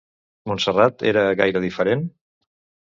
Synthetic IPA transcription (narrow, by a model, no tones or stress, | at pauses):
munsərat̪ḛɾəɣa̰jɾəðifəɾen